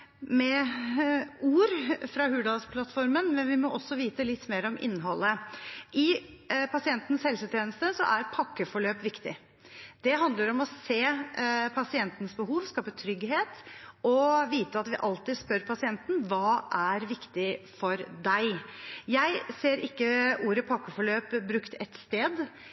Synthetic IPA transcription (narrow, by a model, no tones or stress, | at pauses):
mɛ | uːɾfɾɑɦʉːɖ̪ɑspʰlɑt̪fɔɾmənmɛnʋɪmɔːʔɔsːɔʋiːt̪əlɪt̪ːmeːɾɔmʔɪ̰nːɦɔlːəʔɪpʰɑsɪɛnt̪n̩shɛlsət̪ʰjeːnəst̪əsɔ̰ʔæɾpʰɑkːəfɔɭøːpʋɪkt̪ɪ̰ | d̪̥ɛɦɑnd̪ləɾɔmɔseːpʰɑsɪɛnt̪nsbəɦuːʋskɑːpət̪ʰɾʏɡɦeːt̪ɔʋiːt̪əɑt̪ʋɪʔɑlt̪ɪd̪spœɾpʰɑsɪɛnt̪n̩ʋɑːʔæɾʋɪkt̪ɪfɔɾd̪æɪjæɪseːɾɪkːəʔuːɾəpʰɑkːəfɔɭøːpbɾʉkt̪ʰɛt̪st̪eːd̪